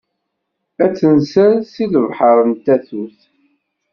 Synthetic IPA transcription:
æt͡sːənsælsiləvħəɾˤənt̪æθuθ

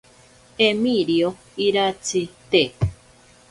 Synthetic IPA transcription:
emiɾio | iɾat͡sit̪e

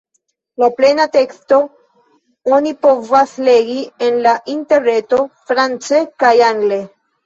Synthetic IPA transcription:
laplenate̞ksto̞ | onipo̞vasle̞ɡienlaʔinte̞ɾne̞to̞fɾant͡sekajaŋɡle̞

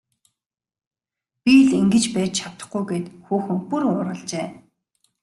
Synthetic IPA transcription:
pʲiɮiŋɡɘ̆t͡ɕpæːt͡ɕt͡ɕʰawt̪ə̆χɡujɡeːt̪xuːxɵ̆ŋpurʊːɾə̆ɮt͡ɕeː

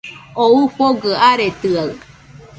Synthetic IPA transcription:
oupoɡəaɾet̪ɯaɯ

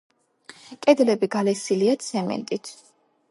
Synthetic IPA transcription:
kʼɛd̪lɛbiɡalɛsiliat̪sʰɛmɛ̰nt̪ʼit̪ʰ

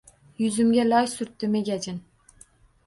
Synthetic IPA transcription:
jʊzɪmɡʲalɒjsʊɾt̪ːɪmeɡʲæd͡ʒɪn

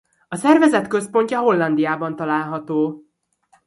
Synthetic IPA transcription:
ɒsɛrvɛzɛt̪kø̞spo̞ɲcɒɦo̞lːɒnd̪ijaːbɒnt̪ɒlaːlɦɒt̪oː

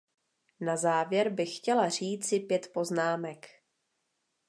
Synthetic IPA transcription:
nazaːvjɛɾbɪxːcɛlar̝iːt͡sɪpjɛt̪po̞znaːmɛk

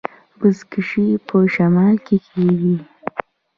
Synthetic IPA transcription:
bəzkɪʃipʰəʃamɑlkekʰeɡi

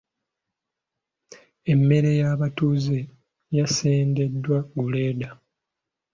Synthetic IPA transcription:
e̞mːe̞ɾe̞jaːβatuːze | jaseːnde̞dːwaɡuleːda

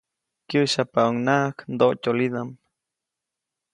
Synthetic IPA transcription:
kɨʃapauŋnaknd̪oʔcolid̪am

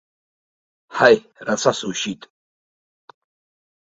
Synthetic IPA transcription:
hajrasasuʃit̪ʼ

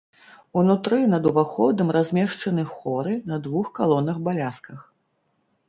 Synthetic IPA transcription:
unut̪ɾɨnɐd̪uvaxɔd̪ɐmrazʲmʲɛʂt͡ʂɐnɨxɔɾɨnɐd̪vuxkalˠɔnɐxbalʲaskɐx

